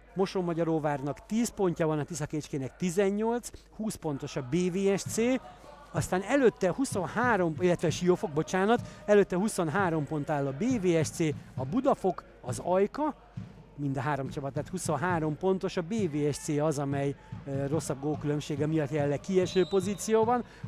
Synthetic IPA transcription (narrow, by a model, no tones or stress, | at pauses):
mo̞ʃoːmːɒɟɒɾoːvaːrnɒkt̪iːspo̞ɲcɒbɒnɒt̪isɒkeːt͡ʃkeːnɛk̚t̪izɛɲːo̞lt̪s | huːspo̞nt̪o̞ʃɒbeːveːɛʃt̪seː | ɒst̪aːnɛløt̪ːɛhuso̞nhaːɾo̞milːɛt̪ʋɛɒʃijo̞fo̞ɡ̚bot͡ʃaːnɒt̪ɛløːt̪ːɛhuso̞nɦaːɾo̞mpo̞nt̪aːlːɒbeːveːɛʃt̪seːɒbud̪ɒfo̞k | ɒzɒjkɒ | mind̪ɒɦaːɾo̞mt͡ʃɒpɒt̪ːaːt̪huso̞nɦaːɾo̞mpo̞nt̪o̞ʃɒbeːveːɛʃt̪seːɒzɒmɛjro̞sːɒb̚ɡoːlkylø̞mʃeːɡɛmijɒt̪jɛlːɛkiɛʃøːpo̞ziːt̪sijoːbɒn